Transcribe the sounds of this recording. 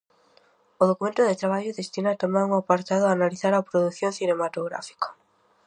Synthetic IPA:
oðokumẽnt̪ʊðet̪ɾaβ̞aʎoðest̪inat̪omãŋuŋapaɾt̪aðʊaːnaliθaɾɐpɾoðuθjõŋθinemat̪oɣɾa̰fi̥kḁ

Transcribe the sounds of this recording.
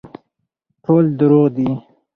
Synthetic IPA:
ʈʰoːld̪ʊɾuʁd̪i

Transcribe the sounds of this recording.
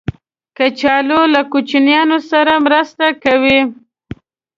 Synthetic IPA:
kat͡ʃɑlolakut͡ʃinjɑnosaɾamɾəst̪akawi

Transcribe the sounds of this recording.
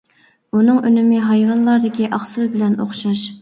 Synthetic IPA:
unɨŋønɪmɪɦɑjvɑnlˠɑɾd̪ɪkʲiʔɑχsɨlbɪlɛnoχʃɑʃ

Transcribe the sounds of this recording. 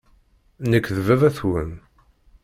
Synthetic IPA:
nəkːðvævæθwən

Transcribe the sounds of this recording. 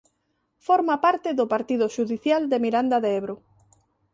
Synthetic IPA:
foɾmapaɾt̪ɪðʊpaɾt̪iðʊʃuðiθjald̪emiɾand̪aðeeβɾo

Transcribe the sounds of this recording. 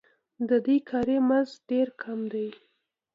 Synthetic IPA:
d̪əd̪ekʰɑɾemanzɖeɾkʰamd̪aj

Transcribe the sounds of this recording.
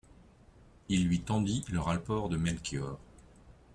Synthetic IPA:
ilːɥit̪ɑ̃d̪iləʁalpɔʁd̪əmɛlkʰjɔːʁ

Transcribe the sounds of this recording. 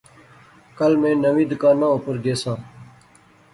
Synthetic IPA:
kəlmẽːnəʋĩːd̪kãːnaʊːpəɾɡeːsãː

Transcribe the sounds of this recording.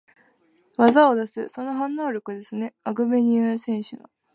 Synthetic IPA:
βazaod̪asɨso̞noɦãnːo̞ːɾʲo̞kɯ̟d̪e̞sɨne̞aɡɯ̟beɲ̟iɯ̃sẽ̞ɰ̃ɕɨno

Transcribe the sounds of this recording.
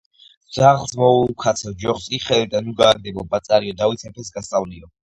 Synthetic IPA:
z̥aχlˠzmɔulkʰat̪sʰɔd͡ʒɔχsiχɛlid̪anuɡaːɡd̪ɛbɔbat̪sʼaɾiɔd̪awit̪ʰɛpʰɛs̬ɡast̪ʼavliɔ

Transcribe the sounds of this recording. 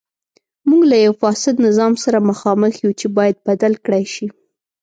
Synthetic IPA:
muɡlajawfɑsɪd̪nɪzɑmsaɾamaxɑməxjut͡ʃebɑjad̪̚bad̪alkɽajʃi

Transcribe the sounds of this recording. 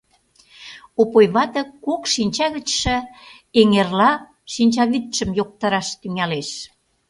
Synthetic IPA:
opojβɑt̪ɤ̆kokʃinʲt͡ɕɑɣə̆t͡ɕʃə̆ | eŋerlɑ | ʃinʲt͡ɕɑβit̪ʃə̆mjok̚t̪ɑɾɑʃt̪yŋæleʃ

